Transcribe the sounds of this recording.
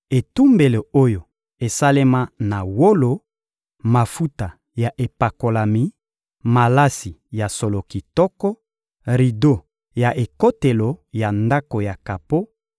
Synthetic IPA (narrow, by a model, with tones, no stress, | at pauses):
e˨tu˦mbe˨le˨o˦jo˨ | e˨sa˦le˦ma˦na˨wo˦lo˨ | ma˨fu˦ta˨ | ja˨ʔe˨pa˨ko˨la˨mi˨˦ | ma˨la˦si˨ja˨so˨lo˨ki˨tɔ˦kɔ˦ | ʁi˨do˦ | ja˨ʔe˨ko˦te˨lo˨ja˨nda˦ko˨ja˨ka˨po˦